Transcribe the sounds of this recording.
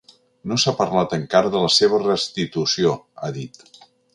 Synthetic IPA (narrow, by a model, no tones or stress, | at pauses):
nosapəɾlat̪əŋkaɾəðələseβ̞ərəst̪it̪usio | a̰ðit̪